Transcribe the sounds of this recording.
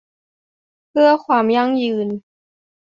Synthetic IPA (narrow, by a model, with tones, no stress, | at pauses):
pʰɯ˥˩ɐkʰwaː˧mja˥˩ŋjɯː˧n